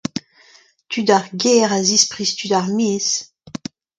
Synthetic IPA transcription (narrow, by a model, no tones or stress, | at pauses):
t̪ʰydaʁɡɛːʁazispʁist̪ydaʁmeːs